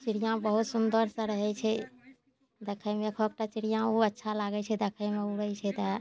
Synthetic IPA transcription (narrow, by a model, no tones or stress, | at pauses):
t͡ʃiɾijãbəɦut̪sund̪əɾsə̃ɾəɦɛt͡ʃʰɛ | d̪ekʰəjmekʰək̚ʈat͡ʃiɾijãuətːʃʰalaɡɛt͡ʃʰɛd̪ekʰəjmeuɾəjt͡ʃʰɛt̪ə